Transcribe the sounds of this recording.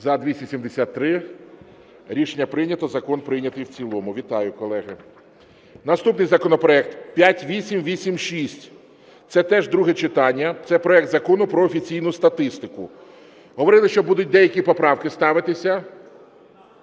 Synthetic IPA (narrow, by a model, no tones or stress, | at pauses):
zɐd̪ʲʋʲisʲtʲɐsʲimd̪esʲat̪ːɾɪ | ɾʲiʃenʲːɐpɾɪnʲɐt̪ɔzɐkɔnpɾɪjnʲɐt̪ɪjwt͡sʲilˠɔmʊʋʲit̪ɑjʊkɔlˠɛɦɪ | nɐst̪upnɪjzɐkɔnɔpɾɔɛk̚t̪pʲjatʲʋʲisʲimʋʲisʲimʃisʲtʲ | t̪sɛt̪ɛʒd̪ɾuɦɛt͡ʃɪt̪ɑnʲːɐt̪sɛpɾɔɛk̚d̪zɐkɔnʊpɾɔːfʲit͡sʲijnʊst̪ɐt̪ɪst̪ɪkʊ | ɦɔʋɔɾɪlˠɪʃt͡ʃɔbud̪ʊt̚ʲd̪ɛjɐkʲipɔpɾɑwkɪst̪ɑʋɪt̪ɪsʲɐ